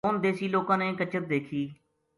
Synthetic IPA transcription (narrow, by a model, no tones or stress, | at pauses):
ʊnd̪eːsiːloːkãːnẽːkət͡ʃət̪̚d̪eːkʰiː